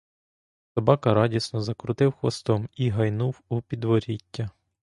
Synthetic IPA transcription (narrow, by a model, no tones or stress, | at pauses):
sɔbɑkɐɾɑdʲisnɔzɐkɾʊt̪ɪwxʋɐ̰st̪ɔmiɦɐjnuwupʲid̪ʋɔɾʲitʲːɐ